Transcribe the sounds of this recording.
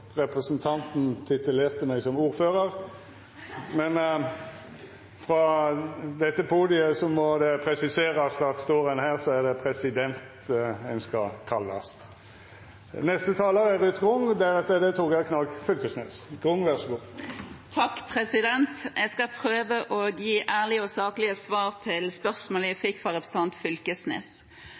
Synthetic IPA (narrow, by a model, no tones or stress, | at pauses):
ʁɛpʁɛsənt̪ʰɑnt̪n̩t̪ʰɪt̪ʉleːʁt̪əmæɪsɔmuːʁføːʁəʁ | mɛn | fʁɑ | d̪ɛt̪ːəpʰuːd̪ɪəsɔmɔd̪ɛpʰɾɛsɪseːʁɑst̪ɑʁt̪st̪oːʁənhæːʁsɔæʁd̪ɛpʰɾɛsɪd̪ɛnt̪ | ɛnskɑkʰɑlːɑ̰st̪ | nɛst̪ət̪ʰɑːləʁɛʁʉt̪ɡʁʊŋd̪æʁɛt̪ːəd̪ɛt̪ʰukækʰnɑlkfʏlkəsneːsɡ̥ʁʊŋʋɛʁʂəbuːkt̪ʰɑkːpʰɾɛsɪd̪ɛnt̪ɛɡskɑpʰɾøːʋəʔoːɡjiːʔæːʁlɪɔsɑːklɪəsʋɑːʁt̪ʰɪlspœʁsmoːlæfɪkːfʁɑʁɛpʁs̩t̪ʰɑnt̪fʏlkəsnḛːs